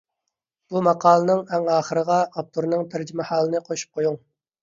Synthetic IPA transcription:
b̥umɑqʰɑːlˠənɨŋɛŋɑːχəɾəʁɑɑp̚t̪ʰuɾnɨŋt̪ʰæɾd͡ʒɪmɛhɑːlˠɨnɨqʰoʃu̥p̚qʰojuŋ

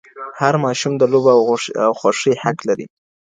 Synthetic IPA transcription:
haɾmɑʃumd̪əlobaawxwaʂəhaklaɾḭ

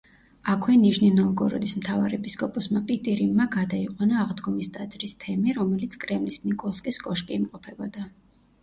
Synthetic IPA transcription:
akʰwɛniʃninɔɡɔɾɔ̰d̪ismt̪ʰavaɾɛpʰiskʼɔpʼɔsmapʼit̪ʼiɾimːaɡad̪aiqʼwanaːʁd̪ɡɔmist̪ʼat̪sʼɾist̪ʰɛmiɾɔmɛlit̪sʰkʼɾɛmlisnikʼɔlˠskʼiskʼɔʃkʼiːmqʼɔpʰɛbɔd̪a

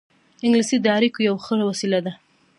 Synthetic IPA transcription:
ɪŋɡlisid̪aɾikojawxəawasilad̪a

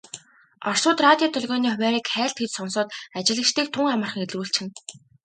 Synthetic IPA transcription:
ɔr̥sʊːt̪rat̪ʲjɔːt̪ʰɵɮɣɔːniːʊwʲæːɾiːkχæːɬt̪xet͡ɕ̪sɔnsɔːt̪at͡ɕɪ̆ɮə̆kt͡ɕt̪iːk̚t̪ʰʊŋamə̆rχə̆ŋet̪̆uːɬt͡ɕʰxɪ̆n

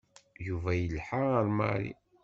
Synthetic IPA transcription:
juvæjəlħaəɾma̰ɾḭ

